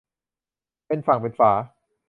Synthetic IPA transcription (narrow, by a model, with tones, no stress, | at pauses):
pe˧nfa˨˩ŋpe˧nfaː˩˦